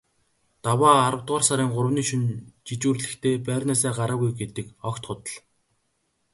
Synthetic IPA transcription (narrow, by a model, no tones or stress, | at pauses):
t̪awaːɾə̆wt̪ɢaːrsaɾiːŋɢʊɾəwniːʃunt͡ɕit͡ɕuːrɮɘ̆xt̪ʰeːpæːrʲnæːsæːɢaɾaːɣujɡet̪ɘ̆kɔkt̪χʊt̪ə̆ɮ